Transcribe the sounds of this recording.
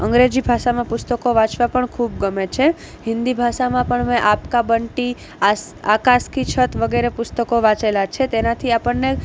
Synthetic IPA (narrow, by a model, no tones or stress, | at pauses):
ə̰ŋɡɾed͡ʒibʱaʃamãpʊst̪əkoʋãt͡ʃʋapəɳkʰubɡəmet͡ʃʰe | ɦɪ̃nd̪ibʱaʃamãpəɳmẽʔapkabəɳʈi | as | akaskit͡ʃʰət̪ʋəɡeɾepʊst̪əkoʋãt͡ʃelat͡ʃʰet̪enat̪ʰiapəɳːe